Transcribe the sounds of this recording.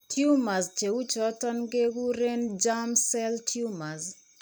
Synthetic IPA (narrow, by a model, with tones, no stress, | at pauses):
tʰju˦ma˨zt͡ʃe˨u˦t͡ʃɔtɔ˦nɡe˦ɡu˦ɾe˦nd͡ʒamsɛ˦ltʰju˦ma˨z